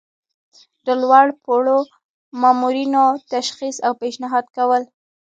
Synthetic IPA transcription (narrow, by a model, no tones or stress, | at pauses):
d̪̥əlwaɽpoɽo | mɑmuɾinot̪aʃxisawpeʃnɪɦɑd̪kawəl